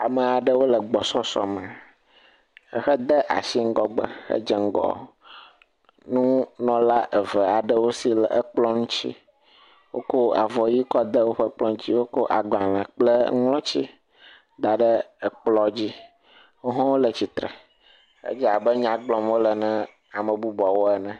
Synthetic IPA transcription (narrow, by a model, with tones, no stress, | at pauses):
a˨mɛ˨a˨ɖə˦wo˦lə˨ɡ͡bɔ˨sɔ˦sɔ̰˨mɛ˨ | ə˨xɛ˦d̪ɛ˦ʔa̰˨si˦ŋ̩˦ɡɔ˦ɡ͡bɛ̰˨xə̰˦d͡ʒɛ˨ŋ̩˦ɡɔ̰˨ | nũ˦nɔ̃˨la˦ʔɛ˨və˨a˨ɖə˦wo˦si˦lʔə˦k͡plɔ˦nũ˦t͡ɕi˦ | wo˦ko˦a˨vɔ˨ji˦kɔ˦d̪ə˦wo˦ɸə˦k͡plɔ˦ŋ̃˦t͡ɕi˦wo˦ko˦ʔa˨ɡ͡ba˨lɛ̃˨k͡ple˦lɔ̃˦t͡ɕi˦ | d̪a˨ɖɛ˦ə˨k͡plɔ˨d͡ʑi˦ | wo˦ɦɔ̃˦wo˦lə˨t͡ɕi˨t̪ɾɛ̰˨ | xḛ˦d͡ʒi˦a˨bɛ˦ɲã˨ɡ͡blɔ˨mwo˦lɛ˨nɛ̃˦ | a˨mə˨bu˦bɔ˨wo˦ɛ˦nɛ̃˨